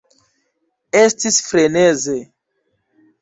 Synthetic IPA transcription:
estisfɾeneze

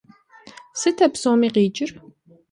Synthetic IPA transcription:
sit̪ʰɛpsɔːmiqiːt͡ʃɾ

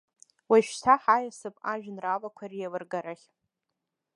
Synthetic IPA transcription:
waʃtʰaħajasɨpʼaʒᶣnralakʷʰarijalɨrɡaɾaχʲ

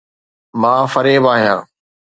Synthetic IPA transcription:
mãːfəɾeːbaːɦijã̰ː

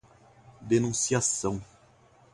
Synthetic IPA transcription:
d̪enũsiasɐ̃w̃

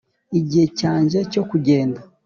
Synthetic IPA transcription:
iɟihecaːɲʒe̞co̞kuɟe̞ːnda

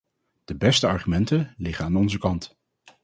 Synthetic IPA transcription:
d̥əbɛstəɑɹχymɛntəlɪχəaːnɔnzəkɑnt

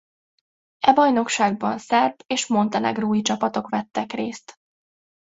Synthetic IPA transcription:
ɛbɒjno̞kʃaːɡ̚bɒnsɛrbeːʃmo̞nt̪ɒnɛ̰ɡruːjit͡ʃɒpɒt̪o̞kʋɛt̪ːɛkreːst̪

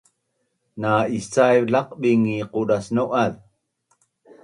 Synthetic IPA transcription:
naist͡sajvlaq̚ɓiŋiquɾasnoʔað

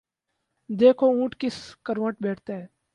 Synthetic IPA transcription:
d̪eːkʰoũːʈkɪskəɾʋəʈbɛːʈʰt̪aɦɛː

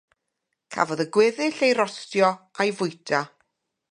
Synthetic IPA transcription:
kʰa̰vɔðəɡwɪðɪɬejɾɔstjɔajvʊjtʰa

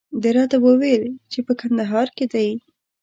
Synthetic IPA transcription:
d̪əɾɑt̪awəwelt͡ʃepəkand̪aɦɑɾked̪aj

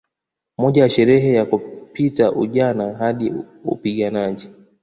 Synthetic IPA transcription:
mɔʄajaʃɛɾɛɦɛjakupitaʔṵʄanaɦaɗi | ṵpiɠanaʄi

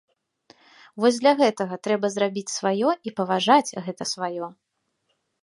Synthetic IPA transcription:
vɔzʲd̪lʲɐɣɛt̪ɐɣɐt̪ɾɛbɐzɾabʲit͡sʲsvajɔipɐvaʐat͡sʲɣɛt̪ɐsvajɔ

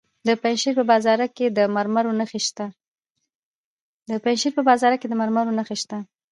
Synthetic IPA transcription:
d̪əpajnʃiɾpəbɑzɑɾaked̪əmaɾmaɾonaxeʃt̪a | d̪əpajnʃiɾpəbɑzɑɾaked̪əmaɾmaɾonaxeʃt̪a

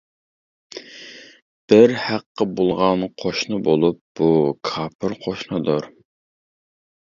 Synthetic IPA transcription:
b̥ɪɾhæqːəbolˠʁɑnqʰoʃnɨbolˠup̚b̥ukʰɑːpʰɨɾqʰoʃnɨd̪ʊɾ

